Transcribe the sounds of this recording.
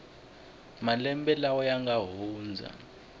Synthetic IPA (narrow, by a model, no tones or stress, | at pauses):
malɛmbʼɛlaɔjaŋɡaɦuːnd͡zʱa̰